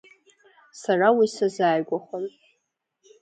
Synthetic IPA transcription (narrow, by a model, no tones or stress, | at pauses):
sarawisazaːjɡʷaχʷan